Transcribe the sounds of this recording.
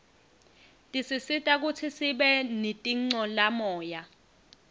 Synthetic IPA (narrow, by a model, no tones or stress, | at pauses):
tʼisisitʼak̬utʰisiɓɛnitʼiŋ͡ǀɔlamɔːja